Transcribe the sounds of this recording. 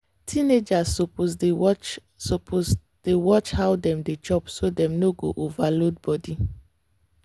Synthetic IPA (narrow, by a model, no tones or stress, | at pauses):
tʰined͡ʒasoposet͡ʃ | sɔpʰos | d̥ewɔt͡ʃhawdɛ̃mdet͡ʃɔpsodɛ̃mnoɡo̰ʔovalod̚bɔdi